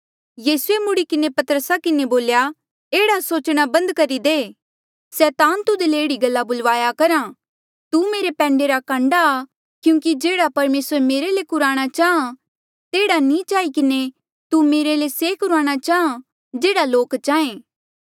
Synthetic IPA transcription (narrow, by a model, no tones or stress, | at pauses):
jiːsʊemʊɽikɪnepɐt̪əɾəsakɪneboːlja | eːɽasoːt͡ʃɽ̃abɐ̃nd̪kɐɾid̪eː | sɛːt̪aːnt̪ʊd̪eleeːɽiɡɐlːabʊlʋaːjakɐɾã | t̪umeːɾepɛ̃ːɳɖeɾakãːɳɖaː | kjũːkid͡ʒeːɽapɐɾmeːsəɾmeːɾelekʊɾaːɽ̃at͡ʃaːɦã | t̪eːɽanĩt͡ʃaːikɪne | t̪umeːɾelesekʊɾaːɽ̃at͡ʃaːɦã | d͡ʒeːɽaloːkt͡ʃaːẽː